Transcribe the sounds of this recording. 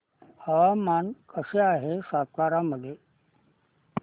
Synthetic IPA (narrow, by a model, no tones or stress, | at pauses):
əʋamankəseaɦesat̪̚kaɾaməd̪ʱje